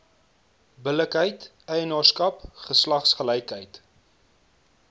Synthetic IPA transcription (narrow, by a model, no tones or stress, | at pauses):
bələkɦəjt | əjənɑːrskɐpχəslɐχsχəlɛjkɦəjt